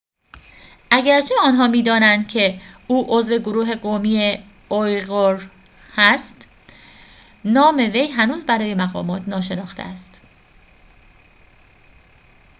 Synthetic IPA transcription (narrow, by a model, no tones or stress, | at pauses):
ʔæɟæɾt͡ʃʰe̞ɒːnɦɒːmiːd̪ɒːnænd̪̥cʰe̞uːʔozve̞ɡoɾuːɦe̞ɡomiːe | ojɣoɾ | hæst̪ | nɒːme̞ve̞jɦænuːzbæɾɒːje̞mæɣɒ̰ːmɒːt̪ʰnɒːʃe̞nɒːxt̪ʰḛæst̪